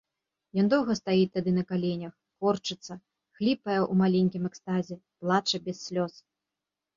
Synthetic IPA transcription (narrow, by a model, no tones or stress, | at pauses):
jɔnd̪ɔwɣɐst̪ajit̪ad̪ɨnɐkalʲenʲɐx | kɔrt͡ʂɨt̪sːɐ | xlʲipɐjɛʔumalʲenʲkʲimɛkst̪azʲɛplˠat͡ʂɐbʲɛsːʲlʲɔs